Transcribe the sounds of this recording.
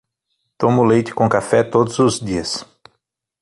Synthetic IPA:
t̪õmʊlejt͡ʃɪ̥kõkafɛt̪od̪ʊzʊzdiɐs

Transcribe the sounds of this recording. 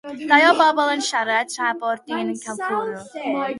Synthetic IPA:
d̥ajɔbɔbɔlˠənʃaɾətʰrabɔɾdiːnənkʰawkʰulˠ

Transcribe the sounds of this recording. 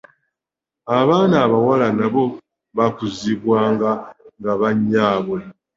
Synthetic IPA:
aβaːnaːβawalanaβo̞ | βakuziβwaːŋɡaŋɡaβaɲːaːβwe

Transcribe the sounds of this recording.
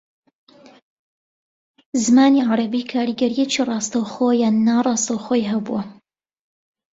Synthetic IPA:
zɨmaːniʕaɾɐbiːkʰaːɾiɡɐɾijɛt͡ʃirˤɑːst̪ɐwxoːjaːnːaːrˤɑːst̪ɐwxoːjɦɐbuɐ

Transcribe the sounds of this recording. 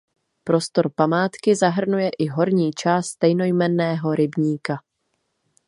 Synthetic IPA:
pɾo̞st̪o̞ɾpamaːt̪kɪzaɦr̩nujɛʔɪɦo̞ɾɲiːt͡ʃaːst̪t̪ɛjno̞jmɛnːɛːɦo̞ɾɪbɲiːka

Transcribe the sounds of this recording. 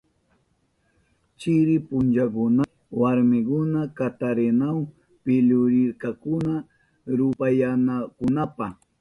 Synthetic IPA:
t͡ʃɪɾɪpʊnt͡ʃakʊna | waɾmɪkʊnakat̪aɾenaw | pɪʎʊɾɪɾkakʊna | ɾʊpajanakʊnapa

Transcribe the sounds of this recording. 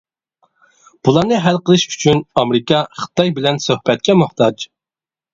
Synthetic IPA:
b̥ulˠɑɾnɨɦælqəlˠɨʃy̥t͡ʃʰynɑmɾɨkɑχə̥t̪ɑjbɪlɛnsøhbɛt̪̚kʲɛmʊht̪ʰɑd͡ʒ

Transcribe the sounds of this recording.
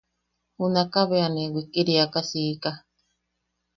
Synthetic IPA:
hunakaβeanewikiɾiakasiːka

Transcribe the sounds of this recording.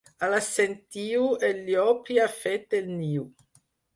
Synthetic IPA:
alasent̪iːuelːjɔpiafet̪elniːu

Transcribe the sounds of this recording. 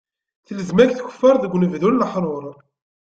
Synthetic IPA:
θələzmæçθçə̥fːəɾˤðəɡʷːnəvðunləħɾˤoɾˤ

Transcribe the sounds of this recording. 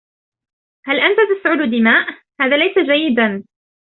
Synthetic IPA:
halʔant̪at̪asʕʊd̪ʊd̪ɪmaːʔ | haːðaːlajsad͡ʒajːɪd̪an

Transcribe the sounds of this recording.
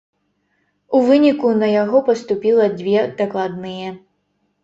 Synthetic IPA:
uvɨnʲikunɐjaɣɔpɐst̪upʲilˠɐd͡zʲvʲɛd̪̥ɐklˠad̪nɨjɛ

